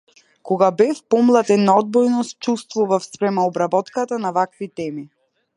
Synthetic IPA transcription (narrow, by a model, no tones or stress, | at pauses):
kɔɡabɛfpɔmlˠat̪ɛnːaɔd̪̚bɔjnɔs̚t͡ʃust̪vuvafspɾɛmɛɔbɾabɔt̪kat̪anavakvit̪ɛmi